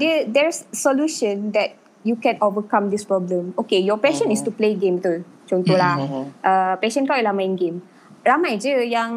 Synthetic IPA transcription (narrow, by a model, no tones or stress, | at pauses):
dədɛɹsːɔluʃə̃nd̪ɛt̚ | jukɛ̃novəkãmd̪ispɹɔblə̃mokejɔpɛʃə̃nistupleɡẽmbt̪ul | t͡ʃɔ̃nt̪ɔlaʔəpɛʃə̃nkawɛlamãjĩnɡẽm | ɹamajd͡ʒəjãŋ